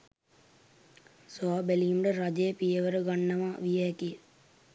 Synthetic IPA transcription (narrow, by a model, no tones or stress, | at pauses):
saːbeliːmɖəɾad͡ʒeəpijeʋəɾəɡanːɐʋaːʋijɛːkij